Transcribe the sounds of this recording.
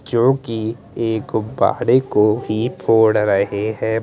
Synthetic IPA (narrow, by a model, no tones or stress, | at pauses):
kjõːki | eːkba̰ːɽekobʱipʰoːɽɾɐɦeɦɛ̃ː